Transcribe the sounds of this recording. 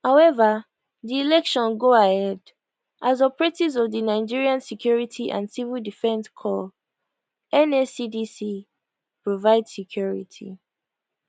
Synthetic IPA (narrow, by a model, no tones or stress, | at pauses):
haʊɛva | ðiilɛkʃɔ̃nɡoahɛd | ʔazɔpəɹɛtizɔvðinaɪd͡ʒiɹiãnsikʰj̥ɔɹitʰiʔã̰nsivildifɛ̃nskʰɔ | ɛnesidisi | pɹovaɪdsikʰjɔɹḭtʰḭ